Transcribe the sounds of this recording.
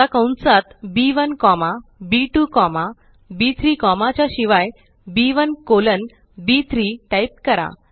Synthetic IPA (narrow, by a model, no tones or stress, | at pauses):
akə̃wnt͡sat̪biʋənkɔmabiʈukɔma | bit̪ʰɾiːkɔmat͡ɕjaɕiʋaj | biʋənkolən | bit̪ʰɾiʈajp̚kəɾa̰